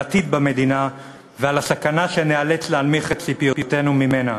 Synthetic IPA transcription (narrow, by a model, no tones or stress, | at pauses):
t̪id̪̚bame̞d̪ina | vealasakanaʃenealet͡slealmiχet̪sipijopjote̞numimena